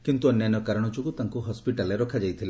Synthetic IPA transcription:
kint̪uɔnjajnɔkaɾɔɽ̃ɔt͡ʃukut̪aŋkuɦɔspiʈaleɾɔkʰad͡ʒajt̪ʰile

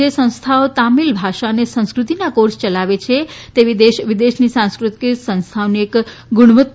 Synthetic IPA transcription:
esə̃w̃st̪ʰaot̪amilbʱaʃanesə̃skɾut̪inakoɾst͡ʃəlaʋet͡ʃʰet̪eʋid̪eʃʋid̪eʃnisãñskɾut̪isə̃ñst̪ʰaoniek | ɡuɽ̃ʋət̪̚

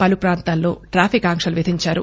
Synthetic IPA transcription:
pɐlupɾaːnt̪aːlːo̞̰ːʈɾaːpʰikaːŋkʂɐluʋid̪ʱiɲt͡ʃaːɾṵ

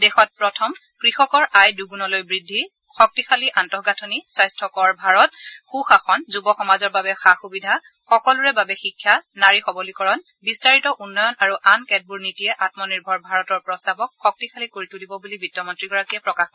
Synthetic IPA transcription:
dɛxɔt̚pɹɔtʰɔm | kɹixɔkɔɹajduɡunɔlojbɹidʱːi | xɔk̚tixʰaliʔantɔhɡatʰoniswajstʰɔkɔɹbʱaɹɔtxuxaxɔnzubɔxɔmazɔɹbabɛxaxubidʱa | xɔkɔluɹɛbabɛxikʰːjanaɹixɔbɔlikɔɹɔn | bistaɹitɔʔunːɔjɔnaɹuʔankɛt̚buɹnitijɛʔatmɔniɹbʱɔɹbʱaɹɔtɔɹpɹɔstabɔk̚xɔk̚tikʰalikoɹitulibɔbulibitːɔmɔntɹiɡɔɹakiɛpɹɔkaxɔ

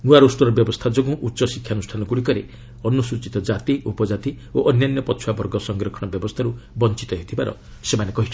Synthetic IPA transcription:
nuaɾosʈɔɾɔbjɔbɔst̪ʰad͡ʒɔɡũʔutːʃɔsikʰjanusʈʰanɔkuɽikɔɾḛ | ɔnusut͡ʃit̪ɔd͡ʒat̪iʔupɔd͡ʒat̪i | oʔɔnjanjɔpɔt͡ʃʰuwabɔɾɡɔsɔŋɡɾɔkʰɔɽ̃bjɔbɔst̪ʰaɾubɔnt͡ʃi̥t̪ɔɦet̪ʰibaɾɔ̰ | semanekɔɦiʈʰ

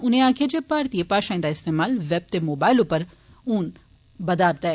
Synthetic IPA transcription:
ʊnẽãːkʰed͡ʒepaːɾt̪iepaːʃãːĩnd̪aɪst̪eːmaːlʋɛb̚t̪emoːbaːɪlʊpːəɾ | uːn | bəd̪aːɾt̪ɛː

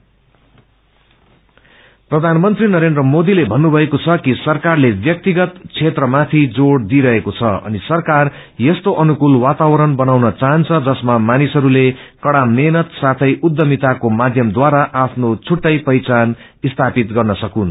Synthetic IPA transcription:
prʌd̪ʱanmʌnt̪rinʌɾend̪rʌmod̪ilebʱʌnːubʱʌekot͡sʰʌkisʌrkarlebjʌk̚t̪iɡʌt̪t͡sʰet̪rʌmat̪ʰid͡zoɽd̪iɾʌɦekot͡sʰʌʌ̰nisʌrkar | jʌst̪oʔʌnukulwat̪awʌɾʌnbʌnawnʌt͡saɦʌnt͡sʰʌd͡zʌsmamanisʌɾulekʌɽamenʌt̪sat̪ʰʌjʔud̪ːʌmit̪akomad̪ʱjʌmd̪waɾaʔapʰnot͡sʰuʈːʌjpʌjt͡san | ist̪ʰapit̪ɡʌrnʌsʌkun

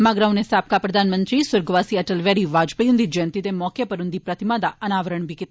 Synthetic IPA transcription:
maɡɾawnesaːp̚kapɾɐd̪ʱaːnmənt̪ɾisʊɾɡʋasiɐʈəlʋjaɽiʋad͡ʒpəjund̪id͡ʒɐnt̪it̪emɔkjɐpɐɾund̪ipɾɐt̪imad̪aʔɐnaːʋəɾəɳbikit̪

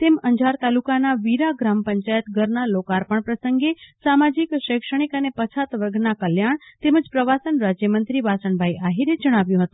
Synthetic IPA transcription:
t̪eməɲd͡ʒʱaɾt̪alukanaʋiɾaɡɾampəɲt͡ʃajət̪ɡʱəɾnalokaɾpəɳpɾəsəŋɡesamad͡ʒikʃəkʂəɽ̃ikənepət͡ʃʰat̪ʋəɾɡnakəljaɳt̪eməd͡ʒpɾəʋasənɾad͡ʒjəmənt̪ɾiʋasəɳbʱajʔaɦiɾed͡ʒəɽ̃aʋjũɦət̪ũ

